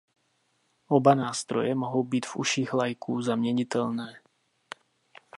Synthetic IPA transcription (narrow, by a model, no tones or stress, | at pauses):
ʔobanaːst̪ɾo̰jɛmoɦowbiːt̪vṵʃiːɣlajkuːzamɲɛɲit̪ɛlnɛː